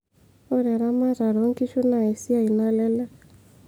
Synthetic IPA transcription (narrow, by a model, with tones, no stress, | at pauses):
ʊ˦ɾɛ˨ɾa˦ma˦ra˨ɾo˦ŋ̩˦ki˦ʃʊ˦na˨ɛ˨si˦a˦i˨na˦lɛ˦lɛ˦